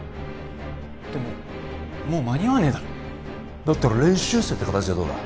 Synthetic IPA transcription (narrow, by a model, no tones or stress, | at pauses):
d̪̥e̞mo̰ | moːmaɲʲiβaned̪aɾo | d̪ot̪ːoɾoɾẽɰ̃ɕɨːsɨet̪ekat̪at͡ɕiad̪o̰ːd̪a̰